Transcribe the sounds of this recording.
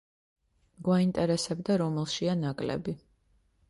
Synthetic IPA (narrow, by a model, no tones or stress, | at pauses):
ɡwaint̪ʼɛɾɛsɛbd̪aɾɔmɛlˠʃianakʼlɛ̰bi